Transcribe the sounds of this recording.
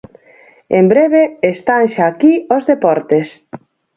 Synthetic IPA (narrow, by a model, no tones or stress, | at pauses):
embɾeβ̞eest̪aŋʃakiozðepɔɾt̪es